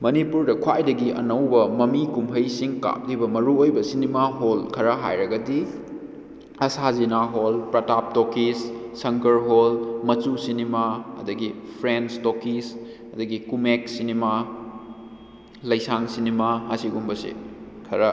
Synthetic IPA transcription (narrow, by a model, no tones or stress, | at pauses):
mɐnipuɾdɐkʰwajdɐɡiʔɐ̰nɐwbɐmɐmikumɦɐjsiŋka̰k̚libɐmɐɾuojbɐsinimaɦolkʰɐɾɐɦajɾɐɡɐdi | ɐsazinaɦolpɾɐtap̚tokissɐŋkɐɾɦolmɐt͡ʃusinimaɐ̰dɐɡipʰɾenstokis | ɐdɐɡikumek̚sinima | lɐjsaŋsinimaɐsiɡumbɐsḭkʰɐɾɐ